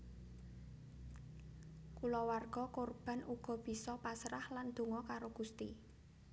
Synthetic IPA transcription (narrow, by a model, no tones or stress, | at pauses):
kulɔwarɡ̥ɔkorb̥a̤nuɡ̥ɔ̤b̥i̤sɔpasɾahland̪̥o̤ŋɔkaɾoɡ̥ṳst̪ḭ